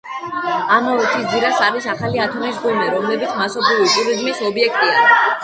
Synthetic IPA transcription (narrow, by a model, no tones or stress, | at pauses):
amɔɔt̪ʰisd̪iɾasaɾisaχaliat̪ʰɔmisɡɔmɛɾɔmlɛbit̪sʰmasɔpʰɾivit̪ʼuɾizmisɔbiɛkʰt̪ʼiaɾi